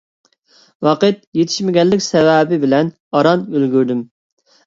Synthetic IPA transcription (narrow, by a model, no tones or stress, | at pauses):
wɑqɨt̪̚jet̪ʰɪ̥ʃmɪɡʲɛlːɪkʲsɛwɛbɪbɪlɛn | ɑɾɑnølɡʲyɾd̪ym